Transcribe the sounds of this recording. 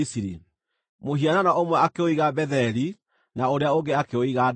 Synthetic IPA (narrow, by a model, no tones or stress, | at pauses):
isiɾḭ | moɦiananaʔomwɛakeoiɣabɛðɛɾi | naoɾeaoŋɡeakeoiɣad